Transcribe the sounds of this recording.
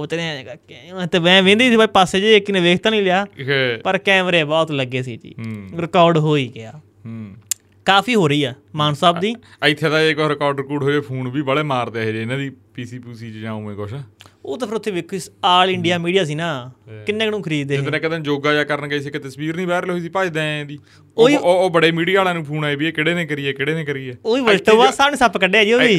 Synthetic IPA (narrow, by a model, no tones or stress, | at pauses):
oːt̪ɪnẽː | t̪eːʋɛ̃ːʋẽːnd̪iːsiːbaːipaːseːd͡ʒekɪnẽːʋeːkʰt̪ãːnĩːlɪjaːpəɾkɛːmɾeːbɔːt̪ləɡːeːsḭːd͡ʒḭːɾɪkɔːɾɖɦoːiːɡɪaː | kaːpʰiːɦoːɾəiːɛːmaːnsaːbd̪iːəɪt̪ʰːjeːd̪aːeːkɔːɾɪkɔːɾɖɾkuːɖɦoːeːpʰuːnbiːbəɽeːmaːɾd̪eːɦed͡ʒeɪnãːd̪iːpiːsiːpuːsiːt͡ʃd͡ʒãːũːmẽːkoːʃaːoːt̪əpʰəɾʊt̪ʰːeːʋɪkʰːisaːlɪɳɖɪjaːmiːɖijaːs̬iːnaːkɪnːẽːknũːkʰəɾiːd̪eːnɛ̃ːkəd̪ə̃nd͡ʒoːɡaːd͡ʒaːkəɾənkɡəiːs̬iːkɪt̪əsʋiːɾnĩːbaːɾlɦoːiːsiːpaːiːd̪ɛ̃ːd̪iː | oːiːbəɽeːmiːɽijaːlãːnũːpʰuːnaːibiːeːkɪɽeːnẽːkəɾiːɛːkɪɽeːnẽːkəɾiːɛːoːiːʋəlʈəaːsaːnẽːsəpkəɖeːaːd͡ʒiːoːiː